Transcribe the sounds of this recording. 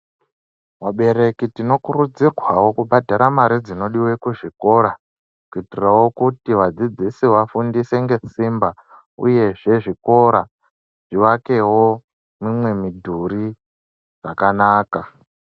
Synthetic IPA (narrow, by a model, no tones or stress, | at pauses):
waɓe̞ɾe̞kitino̞kuɾud͡zirwawo̞kuɓadʱaɾamaɾid͡zino̞ɗiwekuʐiko̞ɾa | kuitirrawo̞kutiwad͡zid͡zisiwafundise̞ŋɡe̞simba | ṵje̞ʐe̞ʐiko̞ɾa | ʐ̥iwake̞wo̞ | mimwe̞midʱuɾi | d͡za̰kanaːka